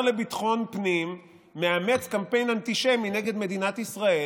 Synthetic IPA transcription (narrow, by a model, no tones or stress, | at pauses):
lebit̪χo̞npnimː | eame̞t͡skampe̞jnant̪iʃemineɡe̞d̪me̞d̪inat̪isʁae